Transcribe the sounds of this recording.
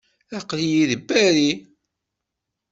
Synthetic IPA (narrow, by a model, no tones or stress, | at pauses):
æqljiðəbːæɾi